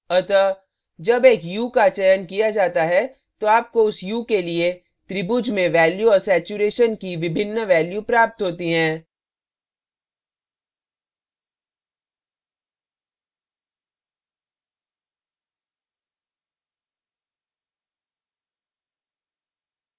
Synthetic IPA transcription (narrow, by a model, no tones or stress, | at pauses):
ɐt̪ə | d͡ʒɐbeːkjuːkat͡ʃɛjənkijad͡ʒaːt̪aɦɛ | t̪oaːp̚koʊsjuːkelie | t̪ɾɪbʊd͡ʒmẽʋɛːljuɔːɾsɛːt͡ʃuɾeːʃənkiʋɪbʱɪnːʋɛːljupɾaːp̚t̪ɦoːt̪iɦɛ̃ː